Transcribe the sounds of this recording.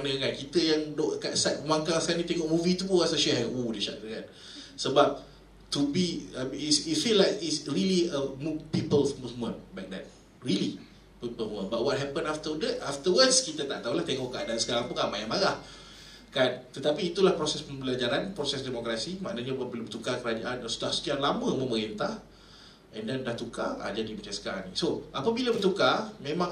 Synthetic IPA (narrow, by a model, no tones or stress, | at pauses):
anəkankit̪əjaŋdoʔkaʔsat̪̚əmãŋkaskanĩt̪eŋɔʔmũvit̪uuɣasaʃɛɦaʔudəʃa̰ʔəkan | səbap̚ | t̪ubiamisifilajkisɹiliəmupipəlfmumənbak̚dɛ̰t̚ | ɹili | pipəmə̃nbaʔwɔt̚ɦɛpə̃naft̪ədɛtaft̪əwətskit̪at̪aʔt̪aulaht̪ɛŋɔʔkaʔdansə̥kaɾãŋpuŋamajamaɾah | kant̪ət̪apiːt̪ulahpɾosɛspəmbəlad͡ʒaɾanpɾosɛsdɛmɔkɾasimaʔnəɲabbəlbət̪ukakəɾad͡ʒaʔansudahsə̥t̪ialamə̃mə̃məɾint̪ah | ɛ̃ndɛndaht̪ukaa̰d͡ʒadimat͡ʃãŋsə̥kaɾãŋnisoapəbilabət̪ukamẽmãŋ